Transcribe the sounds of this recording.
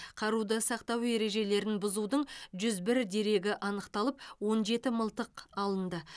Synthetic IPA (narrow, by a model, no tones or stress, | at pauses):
qʰɑɾud̪əsɑqt̪ɑwe̞ɾe̞ʒe̞le̞ɾɪnbʊzud̪əɴʒʏzbɪɾd̪e̞ɾe̞ɡʲɪʔɑnəqt̪ɑlˠəpwo̞nʒe̞t̪ɪməlˠt̪əqɑlˠənd̪ə